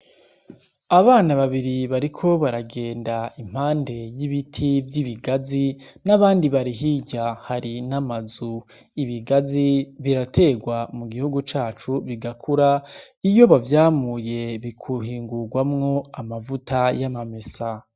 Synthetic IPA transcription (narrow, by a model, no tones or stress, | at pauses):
aβaːnaβaβiɾiβaɾikʰo̞βaɾaɡe̞ːndaim̥haːnde̞jiβitʰivjiβiɡazinaβaːndiβaɾiɦiɟahaɾinamazu | iβiɡaziβiɾatʰe̞ɡwamuɡihuɡut͡ʃaːt͡ʃuβiɡakʰuɾa | ijo̞βavjaːmuːje̞βikʰuɦiːŋɡuɡwamŋo̞amavutʰajamame̞sa